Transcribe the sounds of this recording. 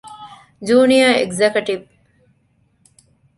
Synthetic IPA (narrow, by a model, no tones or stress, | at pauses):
d͡ʒuːnijaeɡzekɐʈiʋ